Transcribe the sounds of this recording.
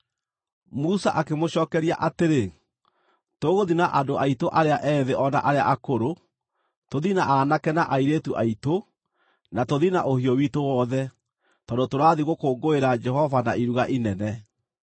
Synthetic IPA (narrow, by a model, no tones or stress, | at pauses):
musaʔakemoɕɔːkɛɾija̰ʔateɾe | toɣoðinaʔadoʔaitoʔaɾeaʔɛːðeʔɔna̰ʔaɾea̰ʔakoɾo | toðinaʔanakɛnaʔaiɾetuʔaito | natoðinaʔohiɔwitowɔðɛ | tɔndotoɾaðiɣokoːŋɡoeɾad͡ʒɛhɔvanaiɾuɣaʔinɛnɛ